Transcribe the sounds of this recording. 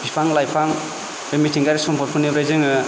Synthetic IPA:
b̥ipʰaŋlajpʰaŋ | bemitʰiŋɡaɾisɔmpʰɔɾ̚pʰunibɾajzɯŋɯ

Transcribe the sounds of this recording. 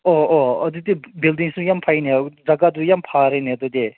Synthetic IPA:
ooɔd̪ut̪ebildiŋsujampʰained͡zakad̪ujampʰaɾenet̪ut̪e

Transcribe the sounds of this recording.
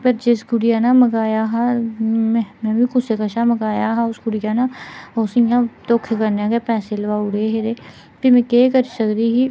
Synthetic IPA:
pəɾd͡ʒɪsɡʊɽɪjaːnaːməɡaːjaːɦaːɛ̃mɛ̃ːbĩːkʊsekəʃaːməɡaːjaːɦaʊsɡʊɽɪjãːnaːosɪjãːt̪oːkʰekəɾnãːɡeːpɛːseləʋaːʊɽeːɦeɾeː | p̪imɛ̃ːkeːkəɾisəkd̪iːɦiː

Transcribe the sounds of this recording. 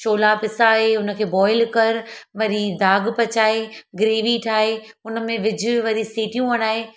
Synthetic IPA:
ʃoːlapɪsaɦeʊnə̆kʰeːbɔːɪlkɐɾʋɐɾid̪aːɡpɐt͡ɕaːeɡɾeːʋiʈʰaːɦeʊnə̆mẽʋɪd͡ʑʱʊʋɐɾisiːʈijũɐɽ̃aːɦeː

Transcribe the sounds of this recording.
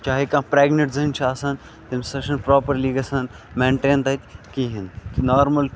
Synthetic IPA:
t͡ʃaːɦikãːpɾeːɡneʈzɐnt͡ʃʰaːsɐn | t̪imsɐʃɐnpɾoːpɐɾliːɡɐsɐn | mẽːɳʈẽːnt̪ɐt̪ʲkiɦinnaːɾmɐl

